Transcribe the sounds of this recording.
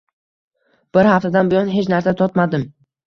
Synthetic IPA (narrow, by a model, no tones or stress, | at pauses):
b̥ɪɾhaft̪ʰad̪anbʊjɒnɦet͡ʃnaɾsat̪ʰɒt̪mad̪ɪm